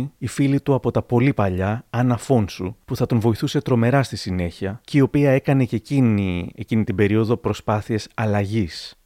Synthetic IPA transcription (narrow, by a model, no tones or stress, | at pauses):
ifilit̪uɐpo̞t̪ɐpo̞lipɐʎɐɐnɐfo̞nsupuθɐt̪o̞nvo̞iθuse̞t̪ɾo̞me̞ɾɐst̪isine̞çiɐcio̞piɐe̞kɐne̞ceciniecinit̪ibe̞ɾio̞ðo̞pɾo̞spɐθie̞sɐlɐʝis